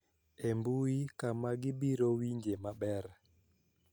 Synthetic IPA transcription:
embuikamaɡiɓiɾowiɲd͡ʒemaɓɛɾ

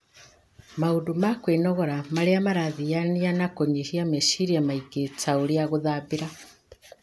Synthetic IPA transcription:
maudumakwenɔɣɔɾamaɾeamaɾaðijanianakoɲihiameʃiɾiamaiɡet͡sauɾiaɣuðaβiɾa

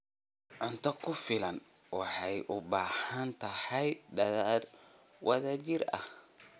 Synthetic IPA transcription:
ʕʊnt̪ʰɔkʰʊfɪlɐnwɑħɑjʔʊbaːhɐnt̪ʰɐhɐjɖɐðaːd̪wʔɐðaːt͡ʃɪrɐ̰h

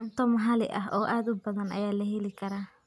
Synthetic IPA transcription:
nt̪ɔːmɦɐlɪʔɐ̰ɦɔːʔaːd̪ʊbɐðɐnɐ̰jaːlɐɦɛlɪkʰɐɾaː

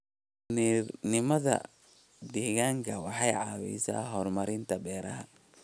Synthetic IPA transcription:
nirnɪmɐðɐ̰ | d̪iːɣaːŋkʰɐwɑħɑjʕɑːwḭːsa̰ːhɔrmɐɾɪnt̪ʰɐbɛːɾɐ̰ɦɐ

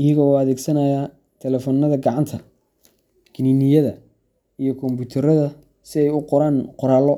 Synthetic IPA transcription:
ɪjɐɣɔɐðɛːɡsɐnɐjaː | t̪ʰɛlɛfɔːnːɐðɐɡɑʕɑnt̪ʰɐ | ɡʰɪniːnɪjɐðɐ | ijɔkʰɔmbuːt̪ʰɐɾɐðɐ | sɪɛjʊqɔɾaːnqɔɾaːlɔ

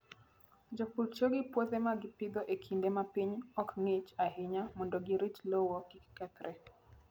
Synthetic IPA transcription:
d͡ʒopult͡ʃoɡɪpwot̪emaɡɪpɪd̪ɔʔekʰindemapiɲɔkŋɪt͡ʃaɦɪɲamɔndɔɡɪɾit͡ʃlɔwɔkikkɛt̪ɾɛ

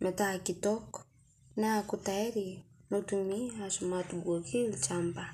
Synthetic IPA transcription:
mɛtakitɔk | nakutaɛɾinotumiaʃumatubwɔkilt͡ʃamba

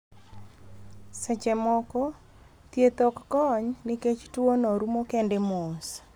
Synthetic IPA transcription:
sɛt͡ʃɛmɔkɔ | t̪jet̪okːɔɲnɪket͡ʃtuonoɾumokɛndemos

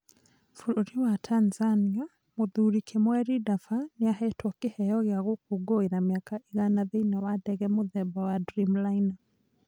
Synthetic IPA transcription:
fuɾoɾiwatʰanzania | moðuɾikʰemwɛɾidafaneaɦɛtwɔkehɛjɔɣeaɣok̚oɡoeɾameakaeɣanaðeinawadɛɣɛmoðɛbawadɾimlaina

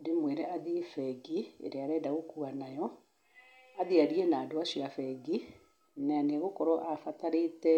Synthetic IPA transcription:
demweɾɛʔaðifɛɡiḛɾeaɾɛːdaɣokuanajɔ | aðiaɾiɛnaːdoasiafɛɡi | naaneɣokɔɾɔʔafataɾetɛ

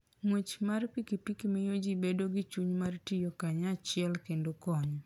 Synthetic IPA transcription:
ŋwet͡ʃmarpikipikimejod͡ʒibedoɡɪt͡ʃuɲmartijokaɲat͡ʃɪɛlkendokɔɲ

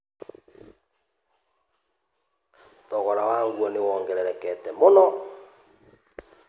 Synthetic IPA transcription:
tɔɣɔɾawaːŋɡwɔnewɔːŋɡɛɾɛɾɛkɛtɛmonɔ

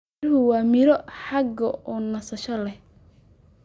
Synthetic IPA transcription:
ɾʊɦʊwɑːmɪɾɔħɑɡɐʔɔːnɐsɐʃɐlɛh

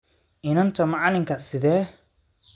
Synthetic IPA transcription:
ɪnɐnt̪ʰɔmɑʕlɪŋkʰɐsɪðɛː

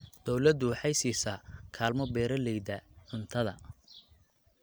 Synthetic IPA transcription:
d̪̥ɔwlɐd̪ʊwħɑjsiːsɐkʰaːlmɔbɛːɾɐlɛjd̪ɐʕʊnt̪ʰɐðɐ̰

